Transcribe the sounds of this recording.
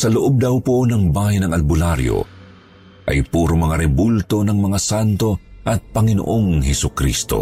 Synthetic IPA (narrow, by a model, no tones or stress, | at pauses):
sɐloʔob̚d̪ɐwponɐŋbaːjanɐŋɐlbʊlaɾjo̰ | ʔɐ̰jpuːɾomɐŋaɾɛbult̪o̞nɐŋmɐŋasant̪o̞ʔɐt̪̚pɐŋɪno̰ʔoŋhɛsʊkɾist̪o̞̰